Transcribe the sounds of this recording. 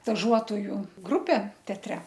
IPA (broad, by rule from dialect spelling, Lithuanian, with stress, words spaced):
stɐˈʒuɔtoːjʊ ˈɡrʊpʲeː tʲɛɐtʲˈrʲɛ